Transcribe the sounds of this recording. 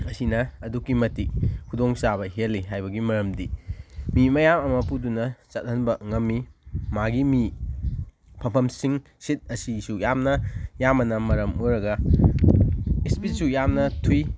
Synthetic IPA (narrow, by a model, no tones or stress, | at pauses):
ɐsinɐɐdukːimɐtikkʰudoŋsabɐɦelːiɦajbɐɡimɐɾɐmdimimɐjamɐmɐpudunɐt͡ʃɐt̚hɐnbɐŋɐmːimaɡimi | pʰɐmpʰɐmsiŋ | sit̚ɐsisujamnɐjamɐnɐmɐɾɐmuɾɐɡɐ | ispisujamnɐtʰuj